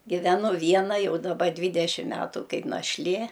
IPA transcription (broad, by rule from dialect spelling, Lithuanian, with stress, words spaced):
ɡʲɪʋʲɛˈnʊ ˈʋʲiɛnɐ ˈjɛʊ dɐˈbɐ ˈdʲʋʲiːdʲɛʃʲɪm ˈmʲæːtʊ ˈkɐɪp nɐʃʲˈlʲeː